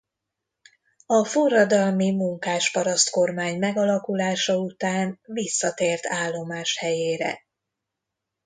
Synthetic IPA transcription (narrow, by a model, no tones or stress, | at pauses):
ɒfurːɒd̪ɒlmimuŋkaːʃpɒɾɒst̪ko̞rmaːɲmɛɡɒlɒkulaːʃɒut̪aːnvisːɒt̪eːrt̪ʰaːlːo̞maːʃhɛjeːɾɛ̰